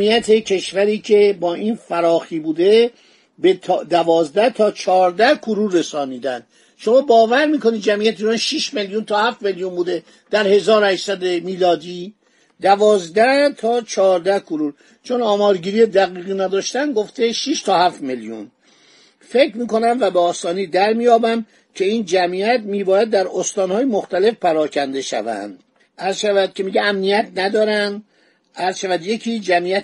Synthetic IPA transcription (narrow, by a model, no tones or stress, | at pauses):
iːjæt̪ʰe̞cʰe̞ʃvæɾiːcʰe̞bɒːʔiːnfæɾɒːxiːbuːd̪e | bet̪ʰːd̪ævɒːzd̪æht̪ʰɒːt͡ʃʰɒːɾd̪æhkʰuɾuɾːesɒːniːd̪ænd̪̥ | ʃo̞mɒːbɒːvæɾmiːko̞nid̪̚d͡ʒæmʔijæt̪ʰeiːɾɒːnʃiʃme̞ljunt̪ʰɒːhæft̪me̞ljunbuːd̪e | d̪̥æɾhe̞zɒːɾohæʃsæd̪emiːlɒːd̪iː | d̪ævɒːzd̪æht̪ʰɒːt͡ʃʰɒːɾd̪æhkʰoɾuɾ | t͡ʃʰonɒːmɒːɾɡiːɾiːjed̪æɣiːɣiːnæd̪ɒːʃt̪ænd̪ɡo̞ft̪eʃiʃt̪ʰɒːhæft̪meljṵn | fe̞kɾmiːko̞næmvæbeɒːst̪ɒːniːd̪æɾmijɒːbæm | cʲʰe̞iːnd͡ʒæmiæt̪miːbɒːjæd̪ːæɾost̪ɒːnhɒːjemoxt̪æle̞fpæɾɒːkʰænd̪e̞ʃæ̰væ̰nd̪ | æɾzʃævæd̪̥̚cʰʲe̞miːɟeæmnijæt̪ʰnæd̪ɒːɾænd̪ | æɾz̥ʃævæd̪je̞cʰiːd͡ʒæmiːjæt̪